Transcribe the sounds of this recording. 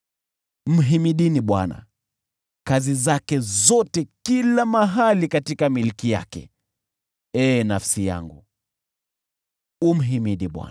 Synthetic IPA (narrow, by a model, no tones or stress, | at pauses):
m̩ɦimiɗiniɓwana̰ | kazizakɛzɔtɛkilamaɦalikatikamilikija̰kɛ̰ | ɛːnafsija̰ŋɡṵ | um̩ɦimiɗiɓwa̰n